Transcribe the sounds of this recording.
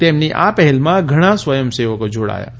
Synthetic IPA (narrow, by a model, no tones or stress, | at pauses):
t̪emniʔa̰pɛɦɛlmãɡʱəɽ̃asʋəjəmseʋəkod͡ʒʱoɽa̰ːja̰